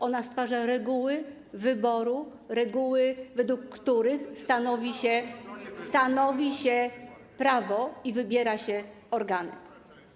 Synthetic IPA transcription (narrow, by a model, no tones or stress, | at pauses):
ʔɔnast̪faʐaɾɛɡuwɘ | vɘbɔɾu | ɾɛɡuwɘvɛd̪wukːt̪uɾɘxst̪anɔvʲiɕɛst̪anɔvʲiɕɛ | pɾavɔivɘbʲjɛɾaɕɛ | ɔɾɡanɘ̰